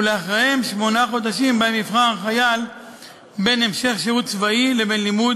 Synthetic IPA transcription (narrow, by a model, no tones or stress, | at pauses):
leaχʁehemʃmo̞naχo̞d̪aʃimbaemifχanχajal | be̞ne̞mʃe̞χʃeut̪t͡svaile̞be̞nlimud